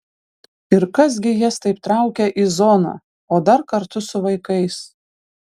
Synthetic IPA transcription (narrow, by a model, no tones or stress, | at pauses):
ɪɾkɐs̬ɡʲɪjɛst̪ɐɪpt̪ɾɑˑʊkʲɛʔizɔːnɑ̰ | oːd̪ɐɾkɐɾt̪ʊsʊʋɐɪkɐɪs